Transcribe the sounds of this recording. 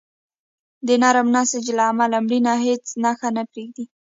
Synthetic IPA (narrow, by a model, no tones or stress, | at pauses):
d̪ənaɾamnasad͡ʒlaːmalamɽinaɦet͡snaxanapɾeɡd̪i